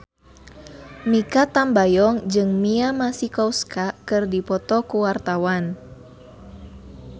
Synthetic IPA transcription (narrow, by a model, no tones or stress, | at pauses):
mikat̪ambajɔŋd͡ʒɨŋmiamasikɔwskakɨrdipɔt̪ɔkuwart̪awan